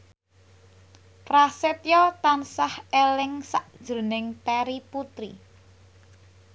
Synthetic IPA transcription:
pɾasɪt̪jɔt̪ansahelɪŋsaʔd̥ʒ̥o̤nɪŋt̪ɛɾiput̪ɾḭ

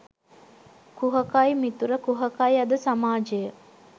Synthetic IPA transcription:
kuɦɐkajmit̪uɾəkuɦɐkajɐd̪əsamaːd͡ʒejə

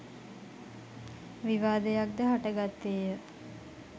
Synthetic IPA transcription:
ʋiʋaːd̪ejak̚d̪əɦaʈəɡat̪ːeːjə

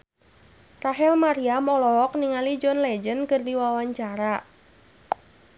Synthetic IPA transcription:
raɦɛlmaɾiamɔlɔɦɔk̚niŋalid͡ʒɔnlɛd͡ʒənkɨrdiwawaɲt͡ʃaɾa

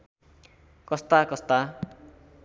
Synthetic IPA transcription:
kʌst̪akʌst̪a

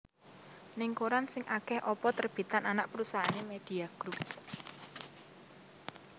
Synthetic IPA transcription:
nɪŋkoɾansɪŋʔakɛhʔɔpɔt̪ərb̥i̤t̪ananaʔpɾusaɦanemed̪̥iaɡ̥ɾup̚

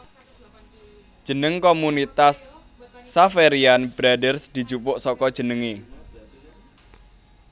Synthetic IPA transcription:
d̥ʒ̥ə̤nəŋkomunit̪asː | afeɾianb̥ɾadərsd̪̥i̤̥d͡ʒ̥upʊʔsɔkɔd̥ʒ̥ə̤nəŋe

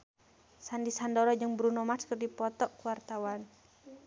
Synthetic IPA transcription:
sandisandɔɾɔd͡ʒɨŋbɾunɔmaskərdipɔt̪ɔʔkuwart̪awan

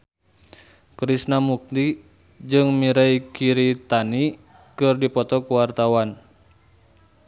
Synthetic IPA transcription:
kɾisnamuk̚d̪i | d͡ʒɨŋmiɾaikiɾit̪ani | kɨrdipɔt̪ɔkuwart̪awan

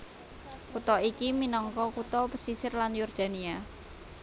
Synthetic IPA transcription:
kut̪ɔikiminɔŋkɔkut̪ɔpəsisɪrlanjurd̪̥a̤nia

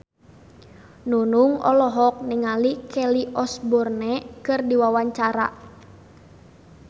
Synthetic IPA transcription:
nunuŋɔ̰lɔɦɔk̚nɛŋalikɛliʔɔsbɔrnɛkɨrdiwawaɲt͡ʃaɾa̰

